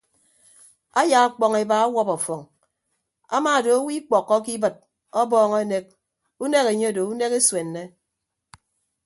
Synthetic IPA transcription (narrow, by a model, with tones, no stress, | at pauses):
a˦ja˨a˦k͡pɔ˨ŋe˨ba˨a˦wɔ˦pɔ˨fɔ˨ŋ | a̰˦maː˨do˨o˦wi˦k͡pɔ˨kːɔ˦ki˦bɨ˨t̚ | ɔ˦bɔː˦ŋɔ˦ne˦k̚ | u˦ne˦ke˨ɲe˦˨do˨u˦ne˦ke˦swe˨nːe˦